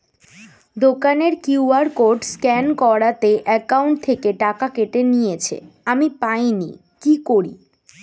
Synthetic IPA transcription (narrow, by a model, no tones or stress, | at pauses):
d̪okaneɾkuuaɾkoɾɖskɛnkɔɽat̪eʔɛkauɳʈ̚t̪ʰekeʈakakeʈenijet͡ɕʰḛamipajnḭ | kikoɾḭ